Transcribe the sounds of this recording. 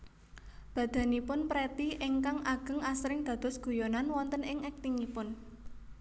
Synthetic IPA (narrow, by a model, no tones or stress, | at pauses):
b̥ä̤d̪̥a̤nipʊnpɾet̪iʔɪŋkaŋʔaɡ̥ə̤ŋasɾɪŋd̪̥ä̤d̪̥ɔ̤sɡ̥ṳjonanwɔnt̪ənɪŋɛk̚t̪iŋipʊn